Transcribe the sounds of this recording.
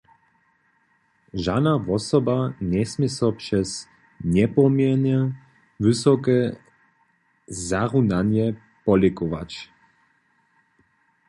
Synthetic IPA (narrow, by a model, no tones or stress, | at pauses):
ʒad̪navɔsɔbaɲɛsmisɔpʂɛs | ɲɛpɔmjɛnɛ | vɨsɔkɛ | zaʁunaɲjɛ | pɔlɛkɔʋa̰t͡ɕ